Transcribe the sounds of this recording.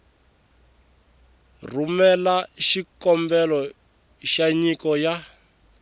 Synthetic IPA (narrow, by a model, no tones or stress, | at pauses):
rumɛlaʃikɔmbɛlɔ | ʃaɲikɔja